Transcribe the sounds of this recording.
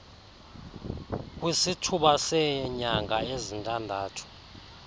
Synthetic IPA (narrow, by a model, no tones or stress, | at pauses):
k̬ʼwisitʰuɓasɛɲaŋaezintʼandʱaːtʰu̥